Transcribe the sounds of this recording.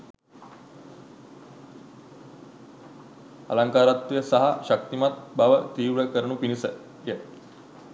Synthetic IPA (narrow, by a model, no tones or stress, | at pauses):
ɐ̰laŋkaːɾat̪ːjəsaɦaʃək̚t̪imat̪̚baʋət̪iːʋɭəkəɾɳupinisə | jə